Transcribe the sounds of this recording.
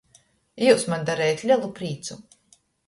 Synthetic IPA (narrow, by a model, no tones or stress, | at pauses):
juːsmand̪aɾɛjat̪lʲalˠupɾiːt̪su